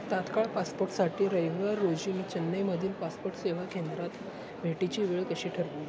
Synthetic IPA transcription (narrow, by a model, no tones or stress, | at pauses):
t̪at̪kaɭpaspoɾʈsaʈʰiːɾəjʋʋaɾːod͡ʑiniːt͡ɕənːəjməd̪ʱiːnpaspoɾʈseʋ̤akend̪ɾat̪ | bʱeʈit͡ɕiːʋeɭkəɕiːʈʰəɾpi